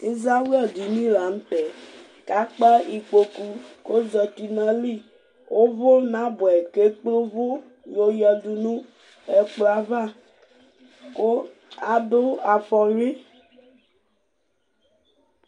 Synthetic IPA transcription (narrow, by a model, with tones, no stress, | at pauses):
e˦za˦wɔ˦˨di˨nĩ˦la˨˦m̩˦tɛ˨ | ka˦k͡pa˦i˨k͡po˨ku˦ko˦zɔ˨t̪i˨nã˦li˦˨ | wʔo˦vo˦nã˦bo˨ɛ˨ke˦k͡po˦vo˦ | jo˨jɔ˨du˨nũ˦ | ɛ˨k͡plo˨˦a˦va˦˨ | ko˦ | a˦do˦a˨fɔ˨ɾi˦